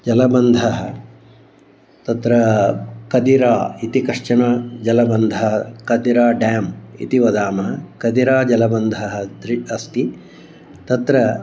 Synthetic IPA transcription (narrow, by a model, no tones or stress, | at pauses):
d͡ʒɐlɐbɐnd̪ʱɐɦɐ̆ | t̪ɐt̪ɾɐkɐd̪iɾaːit̪ikɐʂt͡ʃɐɳɐd͡ʒɐlɐbɐnd̪ʱɐɦɐkɐd̪iɾaːɖaːmḭt̪iʋɐd̪aːmɐɦɐkɐd̪iɾaːd͡ʒɐlɐbɐnd̪ʱɐɦɐ̆d̪ɾiɐst̪i | t̪ɐt̪ɾɐ